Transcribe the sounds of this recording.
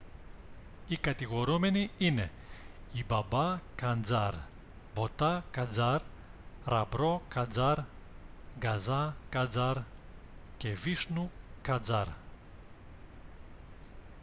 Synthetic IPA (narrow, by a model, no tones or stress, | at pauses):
ikɐt̪iɣoɾumeniine | ibɐbakand͡zaɾ | bot̪akad͡zaɾ | ɾɐ̰bɾokad͡zaɾ | ɡazakad͡zaɾ | cevisnukad͡zaɾ